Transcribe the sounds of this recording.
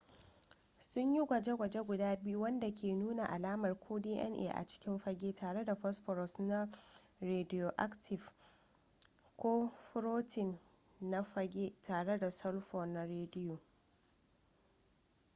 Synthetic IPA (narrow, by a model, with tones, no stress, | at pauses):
sʊ˦ɲji˦ɡʷɐ˨d͡ʒe˦ɡʷɐ˨d͡ʒe˦ɡʷʊ˨daː˦bɪ˦ju˦wɐ˦nda˨kʲʰeː˨nuː˦na˨ʔa˨laː˦mɐ˨rkʷʰoː˦diː˦ʔɛ̰˦nʔḛː˨ʔa̰˨t͡ʃɪ̥˦kʲɪ˦mɸɐ˦ɡʲeː˦tʰaː˨ɽe˦da˨ɸɔ˦sɸɔ˨ɾɔ˨sna˦ɾeː˨dɪ˦joː˨ʔa˦ktʰɪ˨f | kʷoː˦ɸʊ˦ɾoː˦tɪ˨nː | a˦ɸɐ˦ɡʲeː˦tʰaː˨ɽe˦da˨sɔ˦lɸɔ˨nːa˨ɾeː˦dɪ˦joː˨